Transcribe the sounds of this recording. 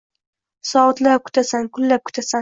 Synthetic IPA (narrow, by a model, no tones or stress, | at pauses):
sɒt̪lakʰʊ̥t̪ʰasankʰʊlːap̚kʰʊ̥t̪ʰasa